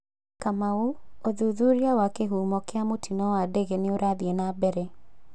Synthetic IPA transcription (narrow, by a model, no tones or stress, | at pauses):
kamauoðuðuɾiawakeɦumɔkeamotʰinɔwadɛɣeneoɾaðienabɛɾɛ